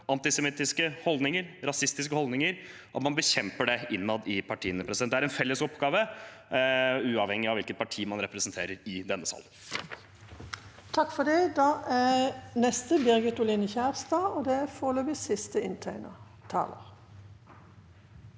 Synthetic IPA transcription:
ɑnt̪ɪsɛmɪt̪ɪskəhɔld̪nɪŋəɾɾɑsɪst̪ɪs̬kəhɔld̪nɪŋəɾ | ʔɑt̪mɑnbəçɛmpəɖɛʔɪnːɑd̪ɪpʰɑʈʰiːənəpʰɾɛsɪd̪ɛæɾɛnfɛlːəsɔpɡɑːʋə | ʉːɑʋhɛŋːɪɑʋɪlkət̪̚pʰɑʈʰiːmɑnɾɛpɾəsənt̪ʰeːɾəɾɪd̪ɛnːəsɑ̰l | t̪ʰɑkfɔd̪ɛd̪ɑʔænɛst̪əbɪʁɡət̪ʊlɪnəçæːʁst̪ɑːɔd̪ɛæfoːløːbɪsɪst̪əɪnt̪ʰæɪnə̰ | t̪ʰɑ̰ːlə̰ʁ

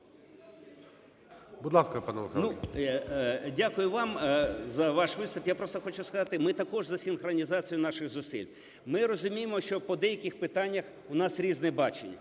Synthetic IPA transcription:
bʊd̪lˠɑskɐpɑnɛʋɐxnu | dʲakʊjʊʋɑmzɐʋɑʃʋɪst̪ʊpjapɾɔst̪ɔxɔt͡ʃʊskɐzɑt̪ɪmɪt̪ɐkɔʒzɐsʲinxrɔnʲizɑt͡sʲijʊnɑʃɪɣzʊsḭlʲ | mɪɾɔzʊmʲijemɔʃt͡ʃɔpɔd̪ɛjɐkʲɪxpɪt̪anʲːɐx | ʊnɑsɾʲiznɛbɑt͡ʃenʲːɐ̰

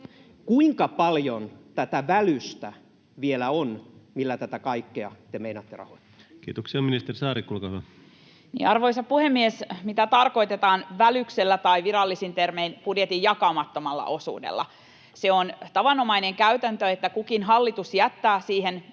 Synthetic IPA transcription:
kuiŋkɑpɑljont̪æt̪æʋælyst̪æ | ʋielæonmilːæt̪æt̪ækɑikːeɑt̪emeinɑt̪ːerɑ̰hoit̪ːɑ | kḭːt̪oksiɑminist̪erisɑːɾikulkɑɑ | nḭːɑrʋoisɑppuhemːiesmit̪æt̪ɑrko̞it̪et̪ɑːnʋælykselːæt̪ɑiʋiɾɑlːisint̪ermeinpudjet̪ijɑkɑːmɑt̪ːomɑlːɑ̰ʔo̞sṵːdḛlːɑ̰ | seont̪ɑʋɑnomɑineŋkæyt̪ænt̪øet̪ːækukinɦɑlːit̪usjæt̪ːæːsiːhen

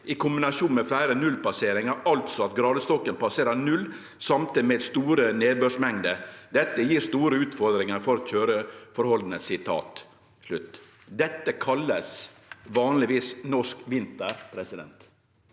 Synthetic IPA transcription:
ʔɪkʰʊmbɪnɑʂuːnmɛflæɪɾənʉlpɑseːɾɪŋɑɾɑlt̪sɔɑt̪̚ɡɾɑːd̪əst̪ɔkːənpɑseːɾəɾnʉlː | sɑmt̪ʰid̪mɛd̪st̪uːɾəneːd̪̚bøːʂmɛŋd̪əd̪ɛt̪ːəjiːɾst̪uːɾəʉːt̪fɔɾd̪ɾɪŋəɾfɔɾɔçøːɾəfɔɾhɔld̪nəsɪt̪ʰɑ̰ːt̪ | ʂlʉt̪ː | d̪ɛt̪ːəkʰɑlːəs | ʋɑːnlɪʋiːsnɔʂkʋɪnt̪əɾpʰɾɛsɪd̪ɛ̰nt̪

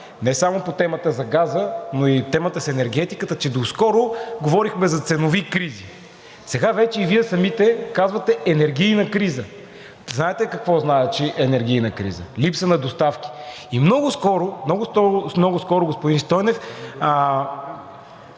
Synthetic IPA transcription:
nɛsamopot̪ɛmət̪əzɐɡazənoit̪ɛmət̪əsɛnɛɾɡɛt̪ikət̪ət͡ʃɛd̪oskɔɾʊɡovɔɾixmɛzɐt̪sɛnovikɾizi | sɛɡavɛt͡ʃɛiviɛsɐmit̪ɛkazvɐt̪ɛʔɛnɛɾɡ̟ijnəkɾizə | znaɛt̪ɛkɐkvɔznaɛt͡ʃiʔɛnɛɾɡ̟ʲijnəkɾḭzə̰lipsənɐd̪ost̪afkʲi̥ | imnɔɡʊskɔɾʊmnɔɡʊst̪ɔɾʊmnɔɡʊskɔɾʊɡospʊd̪inst̪ɔjnɛf

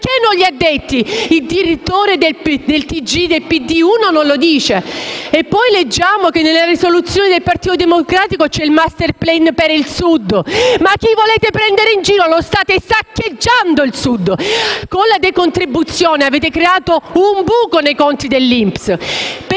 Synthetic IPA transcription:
kenːoʎːiad̪ːet̪ːiild̪iɾit̪ːoːɾed̪ed̪elt̪id͡ʒid̪elpid̪iuːnononlod̪iːt͡ʃeepːɔjled͡ʒːaːmokenːelːarisolut̪sːjoːned̪elpart̪iːt̪od̪emokɾaːt̪ikot͡ʃɛilmast̪erplɛnpeɾilsud̪ːmak̟ːivoleːt̪epɾɛnd̪eɾeind͡ʒiːɾolost̪aːt̪esakːed͡ʒːand̪oilsud̪ːkonlad̪ekont̪ɾibːut̪sːjoːneaveːt̪ekɾeaːt̪oumbuːkonejkont̪id̪elːimpsp

